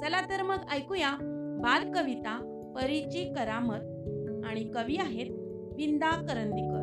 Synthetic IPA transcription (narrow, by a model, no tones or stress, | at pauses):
d͡zəlat̪əɾməɡajkujabaɾkəʋit̪a | pəɾit͡ɕikəɾamət̪̚ | aɽ̃ikəʋiaɦet̪̚ | ʋind̪akəɾənd̪ikə̰t̪